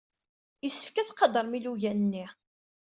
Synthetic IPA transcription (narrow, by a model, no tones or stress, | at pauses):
jəsːə̥fkæt͡sːqɑd̪əɾˤmiluʝænənːi